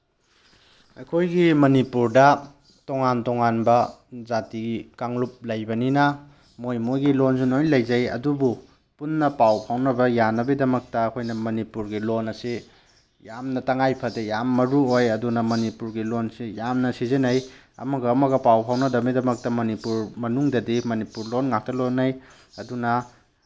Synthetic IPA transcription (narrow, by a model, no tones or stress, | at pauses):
ɐ̰jkʰojɡimɐnipuɾdɐ | toŋantɔŋanbɐzatiɡikaŋlup̚lɐjbɐninɐ | mojmojɡilonsinojlɐjzɐjɐ̰dubu | punːɐpawpʰawnɐbɐjanɐbidɐmɐk̚tɐːkʰojnɐmɐnipuɾɡilonɐsi | jamnɐtɐŋajpʰɐdejamːɐɾuojɐdunɐmɐnipuɾɡilonsijamnɐsizinɐj | ɐ̰mɐɡɐːmɐɡɐpawpʰawnɐdɐbidɐmɐk̚tɐmɐnipuɾmɐnuŋdɐdimɐnipuɾlonŋak̚tɐlonɐj | ɐdunɐ